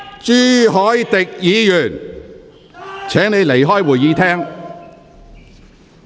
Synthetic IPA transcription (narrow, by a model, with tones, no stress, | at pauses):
t͡siː˥ɦɔː˨˥jt̪ɪ˨k̚jiː˨˧jyː˨˩n | t͡sʰɛː˨˥ŋne˨˧jle˨˩jɦɔː˥jwuː˨˩jiː˨˧t̪ʰɛː˥ŋ